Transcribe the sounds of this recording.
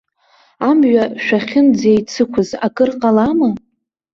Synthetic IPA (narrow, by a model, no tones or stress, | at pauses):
amʒᶣaʃᶣaχʲɪnd͡zejt͡sʰɨkʷʰʊzakʼɨrqʼalamɨ